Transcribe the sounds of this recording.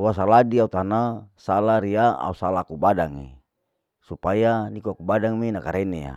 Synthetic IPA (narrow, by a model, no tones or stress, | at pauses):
uwasaladiaut̪anasalaɾiaa̰usalakubadaŋḭ | supajanikuakubadaŋminakaɾɛneja̰